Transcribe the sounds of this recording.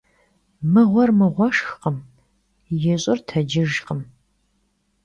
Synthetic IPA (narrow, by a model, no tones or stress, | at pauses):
mɨʁʷɔrmɨʁʷɔʂxqəm | jɛɕʼɪrtʰɐd͡ʒɪʒqəm